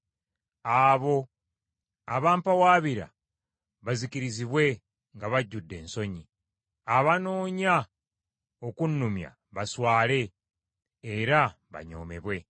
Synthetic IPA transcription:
aːβo̞ | aβaːmpawaːβiɾa̰ | βaziciɾiziβwe̞ | ŋɡaβaɟːudːe̞̰ːnso̞ɲi | aβanoːɲa | okunːumja̰ | βaswaːle̞ː | ɾa | βa̰ɲo̞̰ːme̞̰βwe̞

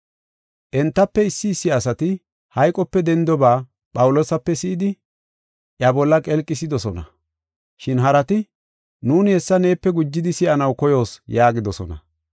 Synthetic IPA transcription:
ʔɛnt̪ːɐpːɛɪsːɪːsːɪɐsɐt̪ɪ | hɐjkʼɔpːɛd̪ɛnd̪ɔbaː | pʼɐwʊlo̞ːsɐpːɛsɪʔɪd̪ɪ | ʔjɐbɔlːɐkʼɛlkʼːɪs̬ɪd̪ɔsɔnɐ̰ | ʃɪnɦɐɾɐt̪ɪ | nuːnɪhɛsːɐne̞ːpːɛɡʊd͡ʒːɪd̪ɪsɪʔɐnɐwkɔjo̞ːsjaːɡɪd̪ɔsɔ̰nɐ̰

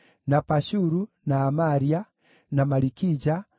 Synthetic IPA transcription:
napaʃuɾu | naːmaɾia | namaɾikid͡ʒa

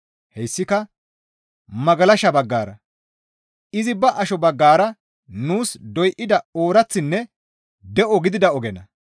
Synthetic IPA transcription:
hɛjsːɪkɐ | mɐɡɐlɐʃɐbɐɡːaːɾɐ | ɪzɪbɐʔɐʃɔbɐɡːaːɾɐ | nuːsd̪ɔjʔɪd̪ɐo̞ːɾɐt͡sːɪnːɛ | d̪ɛʔɔɡɪd̪ɪd̪ɐɔɡɛnɐ

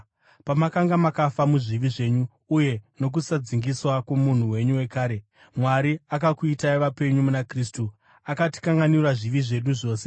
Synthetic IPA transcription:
pamakaŋɡamakafamuʐiʋiʐe̞ːɲuː | je̞no̞k̬usad͡ziŋɡiswakwomun̤uwe̞ɲuwe̞kaːɾe̞ | mwaɾiakakuitaiʋape̞ɲumunakristu | akati̥kaŋɡanirwaʐiʋiʐe̞ɗuʐo̞ːse̞

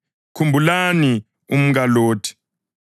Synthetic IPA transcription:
kʰumbʱulani | um̩kaloːtʰi̥

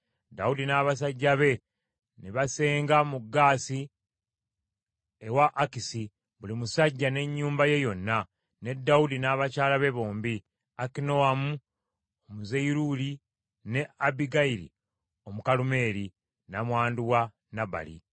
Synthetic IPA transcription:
daudinaːβas̬aɟːaβe̞ | niβase̞ːŋɡamuɡːaːsi | ewaʔːkisi | βulimusaɟːane̞ɲːuːmbaje̞jo̞nːa | ne̞dːaudinaːβacaːlaβe̞βo̞ːmbi | akino̞amu | omuzejɾuli | ne̞abiɡaiɾḭ | o̞mukalume̞ːɾi | namwaːnduwa | naba̰lḭ

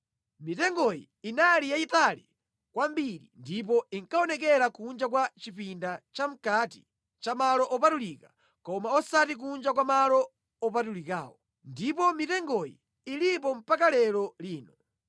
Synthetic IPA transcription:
mitɛŋɡɔjḭːnalijaitalḭ | kwambiɾḭndip̬ɔiŋkaɔnɛk̬ɛɾakund͡ʒakwat͡ʃipindat͡ʃam̩kati | t͡ʃamalɔʔɔpatulikḁ | kɔmaɔsatik̬und͡ʒakwamalɔ | ɔpatulika̰ːwɔ | ndip̬ɔmitɛŋɡɔjḭː | lip̬ɔm̩pakalɛlɔliːnɔ

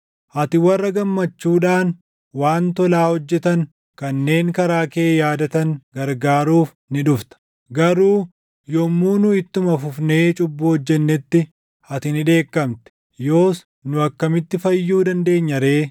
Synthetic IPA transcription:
ʔɐt̪ɪwɐrːɐɡɐmːɐt͡ʃːuːᶑaːn | waːnt̪ɔlaːhɔd͡ʒːɛt̪ɐŋ | kɐnːe̞ːŋkɐɾaːke̞ːjaːd̪ɐt̪ɐŋɡɐɾɡaːɾuːf | nɪᶑʊft̪ɐ̥ | ɡɐɾuː | jɔmːuːnʊɪt̪ːʊmɐfʊfne̞ːt͡ʃʼʊbːuɔd͡ʒːɛnːɛt̪ːɪ | ɐt̪ɪnɪᶑe̞ːkːɐmt̪ɛ̥ | jo̞ːs | nʊɐkːɐmɪt̪ːɪfɐjːuːd̪ɐnd̪e̞ːɲːɐɾe̞ː

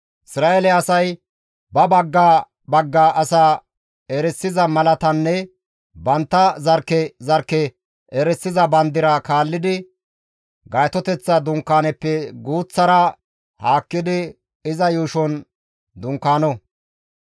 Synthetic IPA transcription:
ʔɪsɾaːʔelɛɐsɐj | bɐbɐɡːaː | bɐɡːaːʔɐsaː | ɛɾɛsːɪzɐmɐlɐt̪ɐnːɛ | bɐnt̪ːɐzɐɾkːɛzɐɾkːɛ | ɛɾɛsːɪzɐbɐnd̪ɪɾɐkaːlːɪd̪ɪ | ɡɐjt̪ɔt̪ɛt͡sːɐd̪ʊŋkːaːnɛpːɛɡuːt͡sːɐɾɐ | haːkːɪd̪ɪ | ɪzɐjuːʃɔn | d̪ʊŋkːaːnɔ

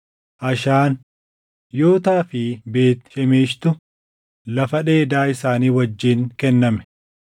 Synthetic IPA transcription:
ʔɐʃaːn | jo̞ːt̪aːfɪbe̞ːt̪ʃɛmeːʃt̪ʊ | lɐfɐᶑe̞ːd̪aːɪsaːniːwɐd͡ʒːiːŋkɛnːɐmɛ̥

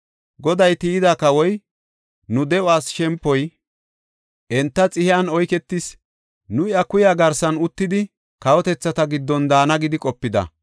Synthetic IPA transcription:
ɡɔd̪ɐjt̪iːd̪akɐwɔj | nʊd̪ɛʊaːsʃɛmpːɔj | ʔɛnt̪ːɐt͡sʼɪhɪɐnɔjkɛt̪ːɪs | nʊjɐkʊjaːɡɐɾsɐnʊt̪ːɪd̪ɪ | kɐwɔt̪ɛt͡sːɐt̪ɐɡɪd̪ːɔnd̪aːnɐɡɪd̪ɪkʼɔpːɪd̪ɐ̰

